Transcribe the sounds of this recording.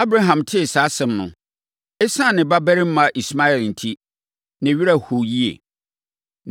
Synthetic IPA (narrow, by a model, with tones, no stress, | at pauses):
a˦bɾa˦ɦã˨mtʰɪ˦˨saː˨˦sɛ̃˨mnʊ̰̃˨ | ɛ˦sã˦˨nɪ̃˨ba˦bɛ˦ɾɪ˦m̩˦mã˨˦ʔi˨sma˦ɛ˨ln̩˨tʰi˦ | nɪ̃˨ɥi˦ɾa˨hu˨ji˦ḛ˨